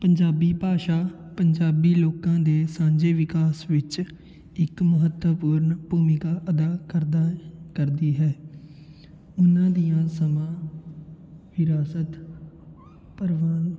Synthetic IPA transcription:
pəɲd͡ʒaːbiːpaːʃaːpəɲd͡ʒaːbiːloːkãːd̪eːsãːɲd͡ʒeːʋɪkaːsʋɪt͡ʃ | ɪkməɦət̪əpuːɾɳpuːmɪkaːʔəd̪aːkəɾd̪aːkəɾd̪iːɦɛː | ʊnãːd̪ijãːsəmãː | ʋɪɾaːsət̪ | pəɾʋaːn

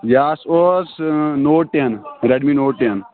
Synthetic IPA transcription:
jaːsosnoːʈːenɾeɖminoːʈːen

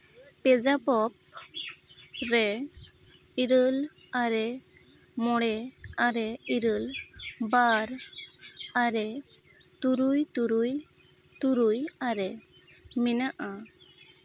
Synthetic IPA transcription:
pɛd͡ʒapɔp̚ | ɾɛ | iɾəl | aɾɛ | mɔɽɛaɾɛiɾəlbaɾ | aɾɛ | t̪uɾujt̪uɾuj | t̪uɾujaɾɛ | mɛnaʔa

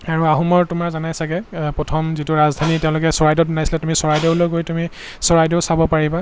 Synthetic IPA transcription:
aɹuaɦumɔɹtumaɹzanajsaɡɛpɹɔtʰɔmzituɹazdʱanitɛʊ̃lʊkɛsɔɹajdɔt̚bɛnajsilatumisɔɹajdɛʊloɡojtumi | sɔɹajdɛʊsabɔpaɹiba

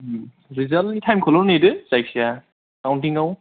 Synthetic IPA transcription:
ɾizalitʰajmkʰɔlɔlnidɯzajk̚sija | kawntiŋaw

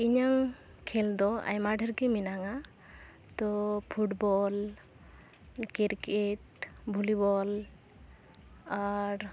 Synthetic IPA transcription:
iɲaŋkʰɛld̪ɔa̰jmaɖʱəɾkɛminaŋa | t̪ɔpʰuʈbɔl | kiɾkeʈ | bʱulibɔl | aɾ

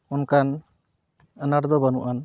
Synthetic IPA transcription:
unkan | ənaɾd̪ɔbanuʔan

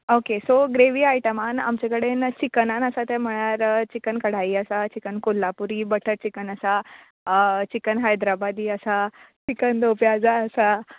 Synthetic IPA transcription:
okesoɡɾeʋiːajʈəmana̰mt͡ɕekəɽent͡ɕikənanəsat̪ɛm̤əɭ̃aɾt͡ɕikənkəɽ̤aiːəsat͡ɕikənkolːapuɾiːbəʈʰəɾt͡ɕikənəsa | t͡ɕikənɦajd̪ɾabad̪iːəsa | t͡ɕikənd̪opjad͡zaːsa

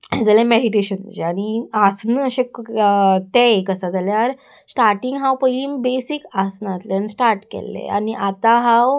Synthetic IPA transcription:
ed͡zalẽmeɽiʈeɕən̰d͡ʑeañiasnəəɕek | t̪ekəsad͡zaljaɾ | sʈaɾʈiŋɡɦãwpəiːmbesikasnat̪lənsʈaɾʈkḛlːḛa̰niʔat̪aɦaw

